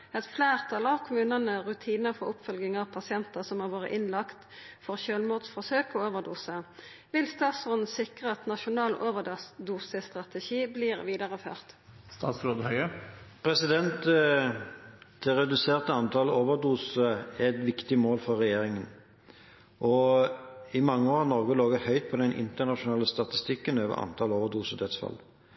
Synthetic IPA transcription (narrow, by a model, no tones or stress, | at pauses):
ɛt̪fleːʁt̪ʰɑlɑʋkʰʊmʉːnənəʁʉt̪ʰiːnəfɔʁʊpfœlɡɪŋɑʋpʰɑsɪɛnt̪əsɔmhɑːʁʋoːʁə̰ʔɪnlɑkt̪fɔʁçøːlmuːʁd̪sfɔʁsøːkɔoːʋəʁd̪uːsə | ʋɪlst̪ɑːt̪sɔnn̩sɪkʁəɑt̪nɑʃʊnɑːlʔoːʋəd̪uːsəst̪ʁɑt̪əʃiːbliːʁʋiːd̪ɑʁəfø̰ːʁt̪ | st̪ɑːt̪sɾoːd̪əhœʏəpʰʁɛsɪd̪ɛnt̪ | ɪʁɛd̪ʉseːʁt̪əɑnt̪ʰɑləoːʋəʁd̪uːsəæɛt̪ʋɪkt̪ɪmoːlfɔʁɛjeːʁɪŋən | ʔɔ | ɪmɑŋːəoːɾɑnɔʁɡəloːɡəhœʏt̪̚pʰɔd̪ɛnʔɪ̰nt̪əʁnɑʃʊnɑːləst̪ɑt̪ɪst̪ɪkːənøːʋə̰ʁɑ̰nt̪ʰɑloːʋəd̪uːsəd̪ɛt̪sfɑ̰l